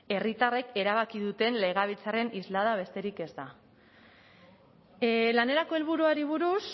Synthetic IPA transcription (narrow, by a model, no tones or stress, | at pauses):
e̞rit̪are̞ke̞ɾaβ̞akið̞ut̪e̞nle̞ɣ̞aβ̞it͡sare̞nizlaðaβ̞e̞st̪e̞ɾike̞zd̪a | lane̞ɾako̞elβuɾuaɾiβ̞uɾus